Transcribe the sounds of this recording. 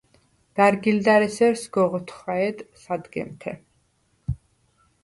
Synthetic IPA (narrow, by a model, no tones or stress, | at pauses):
ɡ̥aɾɡild̪aɾɛsɛɾsɡɔʁɔt̪ʰχaɛd̪sad̪ɡɛ̰mt̪ʰɛ̰